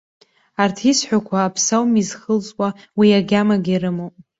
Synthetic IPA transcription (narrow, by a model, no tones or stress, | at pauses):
artʰisħʷakʷʰaːpʰsawmizχəlt͡sʼwa | wiaɡʲamaɡʲiɾɨmowpʼ